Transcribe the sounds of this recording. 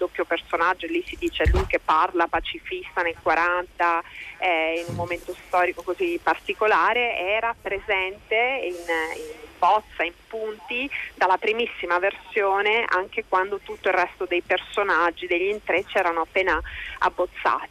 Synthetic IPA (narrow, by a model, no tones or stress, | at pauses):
d̪opːjopersonad͡ʒːoelːisid̪iːt͡ʃelujk̟epːarlapat͡ʃifist̪anelkwaɾʔant̪aɛinummːoment̪ost̪ɔːɾikokozipart̪ikolaːɾeɛːɾapɾezɛnt̪eininbɔt̪sːaimpunt̪id̪alːapɾimisːimaversjoːneʔa̰ŋk̟ekwand̪ot̪ut̪ːoilrːɛst̪od̪ejpersonad͡ʒːid̪eʎːint̪ɾet͡ʃːɛːɾanoapːeːnaa̰bːot̪sːa̰ːt̪i̥